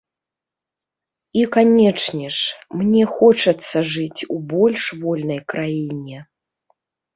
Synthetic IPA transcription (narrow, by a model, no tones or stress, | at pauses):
ikanʲɛt͡ʂnʲɛʂmnʲɛxɔt͡ʂɐt̪sːɐʐɨt͡sʲubɔlʲʂvɔlʲnɐjkɾajinʲɛ